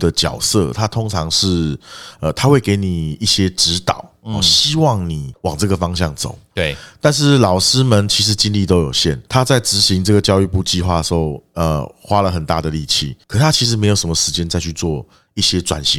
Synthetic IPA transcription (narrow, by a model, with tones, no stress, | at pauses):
d̪ə˨t͡ɕjɑ̰˨˩ʊsɤ˥˩t̪ʰa˦t̪ʰo˥ŋʈ͡ʂʰɑ˧˥ŋʂɻ̩˥˩ə˨˩t̪ʰa˥xwe˥˩ɪke˧˥ɪni˨˩i˥˩ɕjɛ˥ʈ͡ʂɻ̩˧˦t̪ɑ̰˨˩˦ʊ˩ɕɕi˥wɑ˥˩ŋni˨˩wɑ˨˩ŋʈ͡ʂɤ˥˩ɡə˩fɑ˥ŋɕjɑ˥˩ŋt͡so̰˨˩˦ʊ˥˩t̪a˥˧nʂ̬ɻ̩˥˩lɑ˨˩ʊʂɻ̩˥mə˧˦nt͡ɕʰi˧˥ʂ̬ɻ̩˧˥˦t͡ɕi˦nli˥˩t̪o˥ʊjo˨˩ʊɕjɛ˥˩nt̪ʰa˦˥t͡sa˥˩ɪʈ͡ʂɻ̩˧˥ɕi˧˥˦ŋʈ͡ʂɤ˥˩ɡə˩t͡ɕjɑ˥˧ʊy˥˧pu˥˧t͡ɕi˥˧xwa˥˩d̪ə˩ʂ̩˧˥xo˥˩ʊə˨˩xwa˦lə˨xə˨˩nt̪a̰˥˩d̪ə˩li˥˧t͡ɕʰḭ˥˩kʰə˨˩˨t̪ʰa˥t͡ɕʰi˧˥ʂ̬ɻ̩˧˦m˧˥ɪjʂə˧˥mə˧ʂɻ̩˧˦˥t͡ɕjɛ˥nt͡sa˥˧t͡ɕʰy˥˧t͡swɔ˥˩ | i˥˩ɕjɛ˦t͡swa̰˨˩nɕi˧˦ŋ